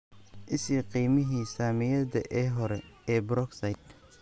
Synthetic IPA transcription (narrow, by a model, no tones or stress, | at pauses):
ʔɪsiːqiːmɪɦiːsaːmɪjɐdɐ̰ʔɛːɦɔɾɛɛːbɾɔɡsɐjt̪